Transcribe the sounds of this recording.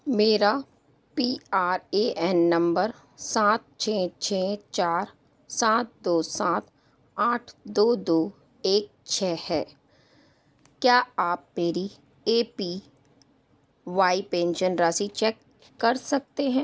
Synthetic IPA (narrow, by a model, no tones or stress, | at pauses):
meːɾa | piːaːɾeːʔɛːnːɐ̃mbəɾ | sãːt̪̚t͡ʃʰɛːt͡ʃʰɛːt͡ʃaːɾ | sãːt̪̚d̪oːsãːt̪ | aːʈʰd̪oːd̪oː | eːk̚t͡ʃʰɛːhɛː | kjaːaːpmeːɾi | eːpi | ʋaːipɛ̃ːnʃənɾaːsit͡ʃɛːkː | ɐɾsɐk̚t̪eɦɛ̃ː